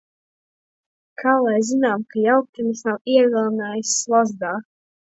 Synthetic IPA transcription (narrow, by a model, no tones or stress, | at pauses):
kʰaːlˠajzinaːmkajawk̚t̪ʲɛnisnawiɛɡalˠnaːjisːlˠazd̪aː